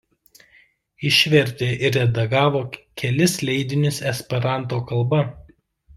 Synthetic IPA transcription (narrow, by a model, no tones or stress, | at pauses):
ɪʃʲʋʲɛɾʲt̪ʲeːʔɪɾʲɛd̪ɐɡɑːʋoːkʲʰɛlʲɪslʲɛɪd̪ʲɪnʲɪsɛsʲpʲɛɾɑˑnt̪̬oːkɐlˠbɐ